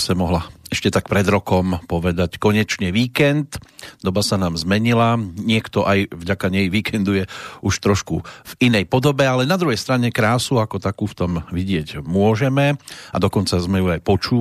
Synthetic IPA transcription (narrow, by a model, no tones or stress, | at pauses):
sɛmɔɦlaɛʃcɛt̪akpɾɛd̪ɾɔkɔmpɔʋɛd̪ackɔɲɛt͡ʃɲɛʋiːkɛnt̪d̪ɔbasanaːmzmɛɲilaɲɪɛkt̪ɔʔajvɟakaɲɛjʋiːkʰɛnd̪ujɛuʃt̪ɾɔʃkuvinɛjpɔd̪ɔbɛalɛnad̪ɾuɦɛjst̪ɾaɲɛkɾaːsuakɔt̪akuːft̪ɔmʋiɟɪɛɟmʊɔʒɛmɛa̰d̪ɔkɔnt͡sazmɛjuajpɔt͡ʃuː